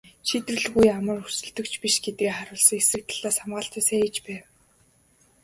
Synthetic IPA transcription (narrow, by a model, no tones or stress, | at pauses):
ʃit̪rɘ̆ɮɣujamə̆rusɘ̆ɮt̪ɵ̆kt͡ɕʰpiʃɡet̪̚ɡeːχaɾʊːɮsɞ̆ŋesɘ̆k̚t̪ʰaɮ̥aːsamɢaːɬt̪æːsæːit͡ɕpæːw